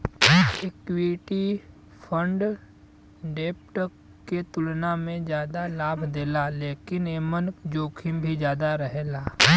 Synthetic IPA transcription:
ekwiʈi | pʰə̃ɳɖ | ɖeːpʈə | kːet̪ʊlnamẽd͡ʒjaːd̪alaːbʱd̪eːlaleːkɪneːmənkd͡ʒoːkʰimbʱid͡ʒjaːd̪aɾəɦelaː

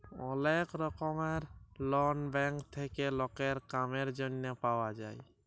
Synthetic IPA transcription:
ɔlekɾɔkɔmeɾlɔnbɛŋkt̪ʰekelɔkeɾkameɾd͡ʒonːɔpawad͡ʒaj

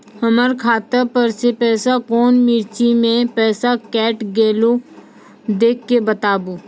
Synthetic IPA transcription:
həməɾkʰaːt̪əpəɾsepɛːsakɔːnmɪɾt͡ʃimẽpɛːsakɛːʈɡeːlo | d̪eːkʰːebət̪aːbuː

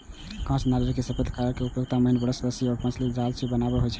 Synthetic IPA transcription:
kãt͡ʃʰnad͡ʒɾəkːesəpʰəd̪ʱkaɾəɾkeupjoɡ̚t̪aməɦinbəɽəsəd̪əsjiɔɾpə̃t͡ʃʰlid͡ʒalt͡ʃʰibənabɛɦojt͡ʃʰɛ

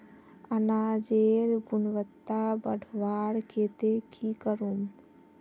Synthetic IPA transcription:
ənad͡ʒeːɾɡunʋət̪ːabəɽʋaːɽket̪ekʰikəɾum

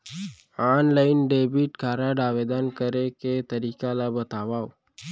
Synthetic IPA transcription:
aːnlaːɪnɖeːbiʈkaːɾaɖaːʋeːd̪ankəɾeket̪əɾiːkalabət̪aːʋaːo

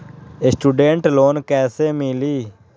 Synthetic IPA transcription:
esʈuːɖẽːɳʈloːnkɛːseːmiliː

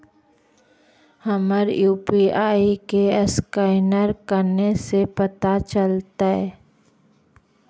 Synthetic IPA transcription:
hɐməɾjuːpiaːikeəskaɪnəɾkəɾnesepɐt̪at͡ʃəlt̪aɦɛː

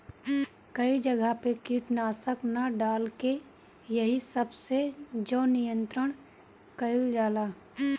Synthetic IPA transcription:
kəid͡ʒəɡʱapekiːʈnaːsəknaɖaːlke | jəɦisəbsed͡ʒoːnɪjə̃nt̪ɾəɽ̃ | kəɪld͡ʒaːlaː

